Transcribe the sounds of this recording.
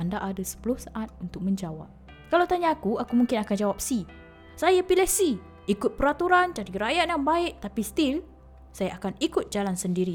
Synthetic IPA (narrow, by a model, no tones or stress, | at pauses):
andaʔadasə̥pulʊhsaʔat̪̚unt̪ʊk̚mə̃ɲd͡ʒawa̰p̚ | kalawt̪aɲaːkuakumuŋkɪnakand͡ʒawap̚si | sajapilɛhsi | ikʊt̪̚pəɾat̪uɾant͡ʃaɾiɾajat̪̚jaŋbaɪʔ̚t̪apist̪il | sajaʔakanikʊt̪̚d͡ʒalansəndiɾi